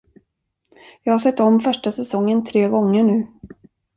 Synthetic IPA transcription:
jɑːɡhaʂɛt̪ːɔmfœʂʈasɛsɔŋːənt̪ʰɾeːɡɔŋːəɳʉ̟ː

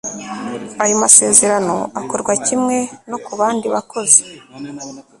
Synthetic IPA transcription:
ajomase̞ːze̞ɾano̞̰ako̞ɾɡwacimŋe̞no̞kuβaːndiβako̞ze̥

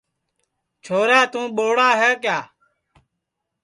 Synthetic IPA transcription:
t͡ʃʰoːɾaːt̪ũːɓoːɽaːɦɛːkjaː

